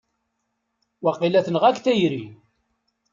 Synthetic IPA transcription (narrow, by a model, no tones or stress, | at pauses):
wɑqːilæθnəʁækθæjɾi